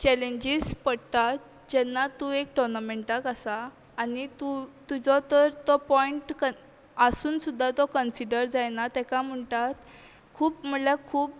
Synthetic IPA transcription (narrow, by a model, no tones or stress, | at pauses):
t͡ɕɛleɲd͡ʑispəɽt̪at̪ | d͡ʑɛnːat̪uekʈɔɾnameɳʈakasaː | nit̪ut̪ud͡zɔt̪əɾt̪ɔpɔiɳʈkə | əsuːnsud̪ʱːat̪ɔkənsiɖəɾd͡zajnat̪ɛkam̤əɳʈat̪ | kʰuːpm̤əlakʰuːp̚